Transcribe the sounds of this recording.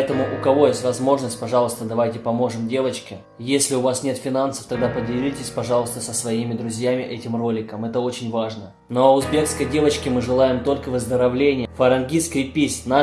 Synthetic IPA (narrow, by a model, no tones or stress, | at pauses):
ɛt̪əmʊʔʊkɐvo̞jesʲtʲvɐzmo̞ʐnəsʲt̚ʲpɐʐɑlˠəst̪əd̪ɐvajtʲɪpɐmo̞ʐɨmdʲe̞vət͡ɕkʲɪ | jesʲlʲɪʊvasnʲe̞t̪fʲɪnansə̥ft̪ɐɡ̚d̪apədʲɪlʲitʲɪsʲpɐʐɑlˠəst̪əsəsvɐimʲɪd̪ɾʊzʲjamʲɪʔɛtʲɪmro̞lʲɪkəmɛt̪əo̞t͡ɕɪnʲvaʐnə | nəɐʊzbʲe̞kskəjdʲe̞vət͡ɕkʲɪmɨʐɨlˠajɪmt̪o̞lʲkəvɨzd̪əɾɐvlʲenʲɪjəfəɾɐnɡʲiskɾɪjpʲisʲna